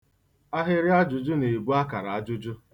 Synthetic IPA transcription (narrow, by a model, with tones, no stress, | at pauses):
a˦ɦɪ˦ɾɪ˦a˦d͡ʒʊ˨d͡ʒʊ˦ne˨bu˦a˦ka˨ɾa˨a˦d͡ʒʊ˦d͡ʒʊ˦